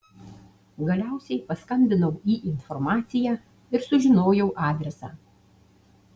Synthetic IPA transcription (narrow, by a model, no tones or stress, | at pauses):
ɡɐlʲæˑʊsʲɛɪpɐskɐmʲbʲɪnɐʊiːʔɪnfɔɾmɑːt̪sʲɪjæː | ɪɾsʊʒʲɪnoːjɛʊʔɑːd̪ʲɾʲɛsɑ̰ː